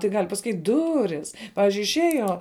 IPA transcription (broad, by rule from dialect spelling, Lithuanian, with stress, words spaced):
tɐɪ ˈɡɐlʲ pɐsɐˈkʲiːtʲ ˈdʊrʲɪs ˈpɑːʋʲɪzʲd͡ʒʲʊɪ ɪʃʲˈeːjoː